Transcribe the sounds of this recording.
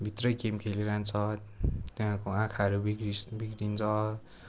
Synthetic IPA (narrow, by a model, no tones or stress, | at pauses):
bʱit̪rʌjkemkʰeliɾant͡sʰʌt̪wãkoãkʰaʌɾubikibikɽint͡sʰʌ